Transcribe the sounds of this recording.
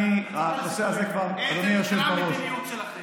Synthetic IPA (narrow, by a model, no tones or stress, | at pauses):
ianoseazekvaʁdonijoʃevbaʁoʃ